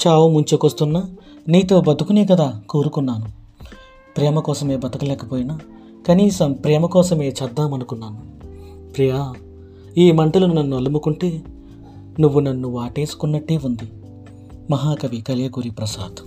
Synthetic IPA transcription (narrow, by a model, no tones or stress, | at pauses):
t͡ʃaːʋumuɲt͡ʃokʋɐst̪unːaː | niːt̪o̞ːbɐd̪ukuneːkɐd̪aːkoːɾukunːaːnu | pɾɛːmɐkɔːsɐme̞ːbɐt̪ɐkɐlɛːkɐpoːjinaː | kɐniːsɐmpɾɛːmɐkɔːsɐme̞ːt͡ʃɐd̪ːaːmɐnukunːaːnu | pɾijɐa | iːmɐɳʈɐlununɐnːuɐlumukuɳʈe̞ː | nuʋːunɐnːuʋaːʈe̞ːsu̥kunːɐʈːeːund̪i | mɐɦaːkɐʋikɐleːkuɾipɾɐsa̰ːd̪